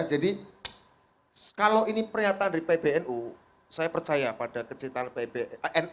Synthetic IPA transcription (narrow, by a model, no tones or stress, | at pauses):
d͡ʒadi | kalowʔinipərɲat̪anɾipeb̥eɛnʔu | sajapərt͡ʃajapad̥akət͡ʃint̪aanpebeɛn